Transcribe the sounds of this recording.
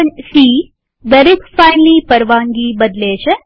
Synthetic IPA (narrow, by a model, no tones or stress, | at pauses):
əɲsiː | d̪ɐɾekfajnliːpəɾʋãŋɡiːbɐd̪leːɕe